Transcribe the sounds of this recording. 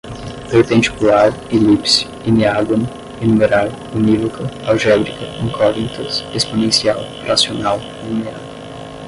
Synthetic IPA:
veɾt̪ẽnt͡ʃɪ̥kulaɾelipsi̥ | iniaɡon | enumeɾal | univokʰɐawʒɛbɾikɐĩkʰɔvĩnt̪ɐsesponẽsiaw | ɾasionaw | umiã̰d

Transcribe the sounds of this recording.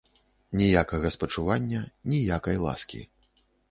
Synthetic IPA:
nʲijakɐɣɐspɐt͡ʂuvanʲːɐnʲijakɐjlˠa̰skʲḭ

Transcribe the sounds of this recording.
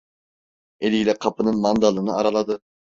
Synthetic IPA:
elʲilʲɛqʰɑpɯnɨnmɑnd̪ɑlˠɯnɯɑɾɑlˠɑd̪ɨ

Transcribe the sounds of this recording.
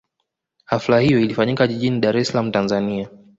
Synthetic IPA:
haflahijɔilifaɲikaʄiʄiniɗaɾɛsalam̩tanzania

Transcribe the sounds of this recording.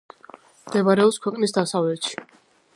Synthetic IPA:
md̪̥ɛbaɾɛɔpskʰwɛqʼnisd̪asavlɛt̪ʃi̥

